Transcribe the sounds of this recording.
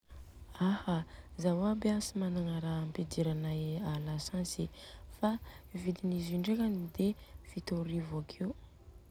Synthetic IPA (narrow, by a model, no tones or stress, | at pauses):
ahazawabeasimanaŋaɾamped̪iɾanajalasansifaivid̪iniziɳɖ͡ʐekanid̪efit̪oɾivakʰew